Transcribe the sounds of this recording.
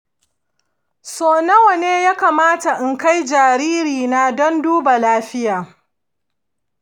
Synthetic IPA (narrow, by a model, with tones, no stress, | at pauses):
soː˨nɐ˦wɐ˨neː˦jaː˦kaː˨maː˦ta˨ʔɪ˨ŋka˦jd͡ʒaː˨ɾiː˦ɾiː˨na˦dɔ˦nduː˦ba˨laː˦ɸɪ˦jaː˨